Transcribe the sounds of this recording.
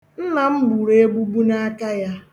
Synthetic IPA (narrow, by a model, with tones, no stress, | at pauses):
n̩˦na˨m̩˦bu˨ɾe˦e˦ɡ͡bu˦ɡ͡bu˦na˦a˦ka˦ja˦